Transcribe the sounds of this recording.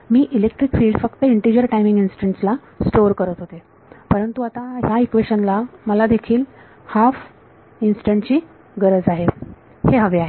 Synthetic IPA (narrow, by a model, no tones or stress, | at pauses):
miːʔilek̚ʈɾikfiːɖfəkt̪əiɳʈiɾijəɾʈajmĩŋɡinsi̥ʈeɳʈsla | sʈoɾkəɾət̪ɦot̪e | pəɾənt̪uat̪aɦjaikʋeɕənlaməlad̪ekʰiːl | haf | insi̥ʈeɳʈt͡ɕiː | ɡəɾəd͡zaɦe | heɦəʋeaɦe